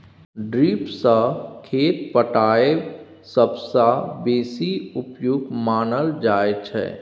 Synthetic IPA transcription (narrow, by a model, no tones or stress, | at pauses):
ɖɾiːpsakʰeːt̪̚pəʈaːe | səbsabeːsiʊpjuɡmaːnəld͡ʒaːet͡ʃʰɛ̰